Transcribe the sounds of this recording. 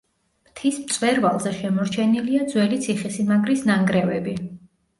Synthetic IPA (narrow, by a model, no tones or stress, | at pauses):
mt̪ʰismt̪sʼwɛɾvalˠzɛʃɛmɔɾt͡ʃʰɛniliad̪zwɛlit̪sʰiχisimaɡɾisnaŋɡɾɛvɛbi